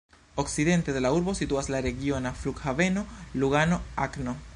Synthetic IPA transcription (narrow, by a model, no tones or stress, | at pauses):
o̞ksid̪e̞nte̞de̞lauɾbo̞situaslaɾe̞ɡio̞nafluɡhave̞no̞luɡano̞akno